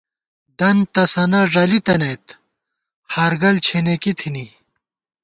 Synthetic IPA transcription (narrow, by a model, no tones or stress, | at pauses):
d̪ɐnt̪ɐsɐnɐʐɐlit̪ɐnejt̪ | haːɾɡɐlt͡ɕʰenekit̪ʰini